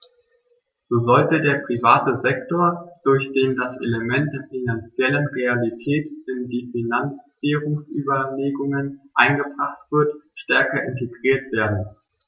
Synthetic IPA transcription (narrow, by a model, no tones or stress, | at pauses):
z̥oːzɔltədeːɐpʁ̥ivaːtəzɛktoːɐd̥ʊɐçd̥eːmdasʔḛləmɛnt̚d̥eːɐfinant͡sjɛlənʁealitʰɛːtɪndiːfinant͡s | iːʁʊŋsʔyːbɐleːɡʊŋənʔaɪnɡəbʁaχtv̥ɪɐtʃtɛɐkɐʔɪnteɡʁiːɐtv̥eːɐdn̩